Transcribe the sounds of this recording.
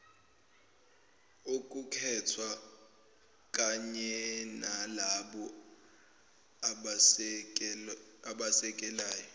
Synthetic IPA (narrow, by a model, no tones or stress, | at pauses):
ukʼukʰɛtʰwa | kʼaɲɛnalaɓɔ | aɓasɛkʼɛlaːjɔ